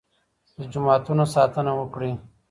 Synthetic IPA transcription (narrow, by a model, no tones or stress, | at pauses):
d̪əd͡ʒʊmɑːt̪unosɑːt̪ənawəkɽi